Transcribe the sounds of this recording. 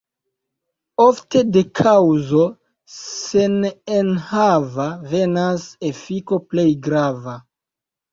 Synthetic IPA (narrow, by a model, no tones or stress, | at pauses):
ofte̞de̞kʰawzo̞ | se̞nenhavave̞nase̞fiko̞ple̞jɡɾava